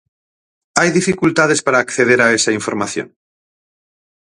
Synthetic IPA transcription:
ajðifikult̪að̞espaɾaːkθeðeɾaesaiɱfoɾmaθjo̰ŋ

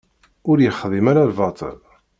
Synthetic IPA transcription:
ʊɾjəχðˤimaɾalvɑt̪ˤə̰l

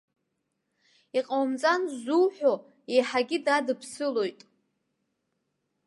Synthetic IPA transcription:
iqʼawmt͡sʼanzuwħʷᶣo | ejħaɡʲidadɨpʰsɨlo̞jtʼ

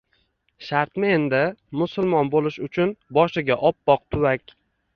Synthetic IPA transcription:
ʃaɾt̪mɪe̞nd̪ɪmʊsʊlˠmɒnbolɪʃʊt͡ʃʰʊnbɒʃɪɡʲaʔɒpːɒq̚t̪ʰʊwakʲ

